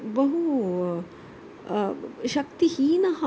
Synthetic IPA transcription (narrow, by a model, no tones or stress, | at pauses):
bɐɦu | ʃɐkt̪ihiːnɐɦɐ